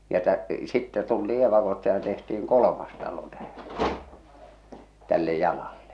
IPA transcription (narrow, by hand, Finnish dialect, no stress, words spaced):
jɑ tæ sitːɛ tultiː eʋɑkostɑ jɑ tehtiiŋ kolə̆mɑs tɑlo tæhæ̥ tælːe jɑlɑlːe̥